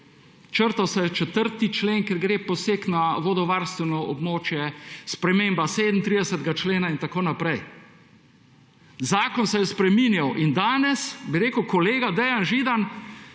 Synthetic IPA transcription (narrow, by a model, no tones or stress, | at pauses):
t͡ʃəɾt̪awsɛjɛt͡ʃɛt̪əɾt̪it͡ʃleːnkeɾɡɾeːpɔseːknaʋod̪ɔʋaɾst̪ʋɛnɔɔbmoːt͡ʃjɛspɾɛmeːmbaseːd̪mn̩t̪ɾid̪ɛsət̪ɛɡat͡ʃleːnaint̪akoːnapɾɛj | zaːkɔnsɛjɛspɾɛminjawʔind̪aːnɛsbiɾeːkəwkɔleːɡad̪ɛjanʒid̪an